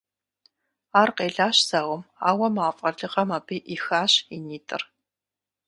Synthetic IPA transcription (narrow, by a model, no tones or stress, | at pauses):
aːrqeːɮaːɕz̥aːwɔmaːwɐmaːfʼɐɮɨqɐmaːbiːʔixaːɕiniːtʰʼɨ̰r